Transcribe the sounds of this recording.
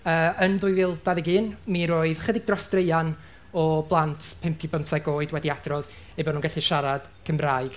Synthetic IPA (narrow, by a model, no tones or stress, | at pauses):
əːəndʊɨvɪːlˠd̥aðɪɡɨːnmiɾoːɨðχədɪɡ̚drɔstreɨjan | ɔblˠantʰpʰɪmpʰibəmsaɡoːɨdwɛdiad̥rɔð | ejbɔnuːnɡɛθɨʃaɾad̥kʰəmraːɨɡ̥